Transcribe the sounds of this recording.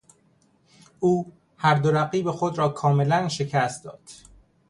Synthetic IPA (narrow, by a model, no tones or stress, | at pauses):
ʔuː | hæɾd̪oɾæɢiːbe̞xo̞d̪ɾɒːkʰɒːme̞lænʃe̞cʰæːst̪d̪ɒːd̪̥